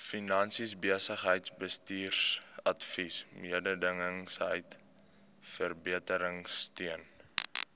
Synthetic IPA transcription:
finɐnsisbiəsəχɦəjtsbəstiːrsɐtfismiədədəŋəŋsɦəjt | fərbiətəɾəŋstiən

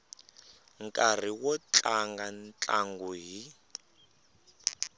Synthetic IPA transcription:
ŋkʼar̤iwɔt͡ɬʼaŋɡant͡ɬʼaŋɡuɦi

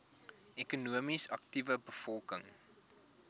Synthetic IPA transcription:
ʔɛkunuəmisɐktivəbəfɔlˠkəŋ

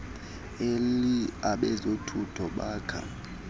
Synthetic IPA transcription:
eliaɓɛzotʰutʰɔɓaːkʰa̰

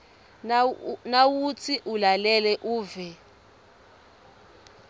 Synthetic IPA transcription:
nawut͡sʰiʔulalɛlɛʔuːvɛ

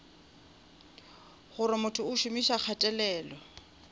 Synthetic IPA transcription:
χʊɾɪmʊtʰʊʊʃʊmiʃak͡xʰatʼɛlɛːlɔ

